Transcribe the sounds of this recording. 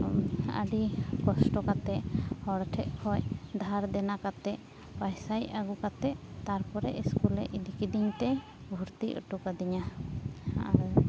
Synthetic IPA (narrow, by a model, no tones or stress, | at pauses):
ə̰ɖikɔsʈɔkat̪ɛʔhɔɽʈʰɛʔ̚kʰɔjd̪ʱaɾd̪ɛnakat̪ɛʔ | pajsajaɡukat̪ɛʔt̪aɾpɔɾɛ̰ʔiskulɛ̰ʔilikid̪iɲt̪ɛ | bʱuɾt̪iʔə̰ʈukad̪iɲa | a̰